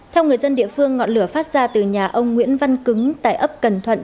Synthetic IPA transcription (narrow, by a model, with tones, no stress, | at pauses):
t̪ʰɛ˧wŋ͡mŋɨ˨˩əjzə˧nɗḭ˧˨əfɨ˧əŋːɔ̰˧˨nlɨ˧˩əfaː˦˥t̚z̥aː˧t̪ɨ˨˩ɲaː˨˩ʔə˧wŋ͡mŋwḭ˧˥ənva˧nkɨ˨˦ŋt̪a̰ː˧˨jʔə˦˥p̚kə˨˩nt̪ʰwə̰˧˨n